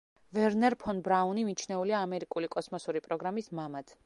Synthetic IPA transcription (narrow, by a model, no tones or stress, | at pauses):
vɛɾnɛɾpʰɔnbɾaunimit͡ʃʰnɛuliaːmɛɾikʼulikʼɔsmɔsuɾipʼɾɔɡɾamismamat̪ʰ